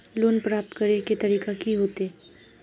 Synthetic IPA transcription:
loːnpɾaːp̚t̪kɐɾeket̪ɐɾiːkakiɦoːt̪eː

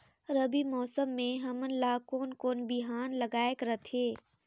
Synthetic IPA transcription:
ɾɐbimɔːsəmːẽɦɐmənlaːkoːnkoːnbiɦaːnlɐɡaːekɾət̪ʰeː

